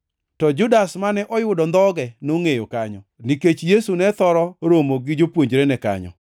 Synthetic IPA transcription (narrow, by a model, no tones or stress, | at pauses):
tɔd͡ʒʊdasmanɛʔɔjʊdɔnd̪ɔɡɛnoŋejokaɲɔniket͡ʃjesunɛt̪ɔɾɔɾomoɡɪd͡ʒopwoɲd͡ʒɾenɛka̰ɲɔ̰